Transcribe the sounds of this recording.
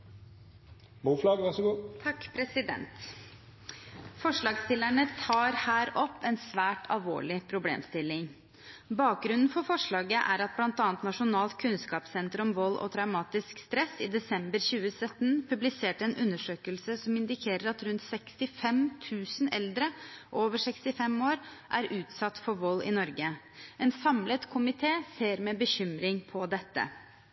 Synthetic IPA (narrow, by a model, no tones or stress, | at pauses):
muːflɑːɡəʋæʂəɡuːt̪ʰɑkːpʰɾɛsɪd̪ɛ̰nt̪ | fɔʂɭɑːɡst̪ɪlæɳət̪ʰɑːɾhæːɾɔpːɛnsʋæːʈʰɑ̰lʋo̰ːɭɪpʰɾʊblḛːmst̪ɪlːɪŋ | bɑːk̚ɡɾʉnn̩fɔɾfɔʂɭɑːɡəʔæ̰ɾɑt̪̚blɑnt̪ɑːnt̪nɑʂʊnɑːlt̪kʰʉnskɑːpsɛnt̪əɾɔmʋɔlːʔɔ̰t̪ʰɾɑʉmɑːt̪ɪskst̪ɾɛsɪd̪ɛsɛmbəɾçʉːəsœt̪ːnpʰʉblɪseːʈəɛnʉnːəʂøːkəlsəsɔmɪnd̪ɪkʰeːɾəɾɑt̪ɾʉnt̪sɛkst̪ɪfɛmt̪ʰʉːsənɛld̪ɾəʔoːʋəʂɛkst̪ɪfɛmoːɾʔæɾʉːt̪sɑt̪ːfɔɾʋɔlːɪ̰nɔɾɡə | ʔɛnsɑmlət̪kʰʊmɪt̪ʰeːseːɾmɛbəçʏmɾɪŋpʰɔd̪ɛt̪ːə̰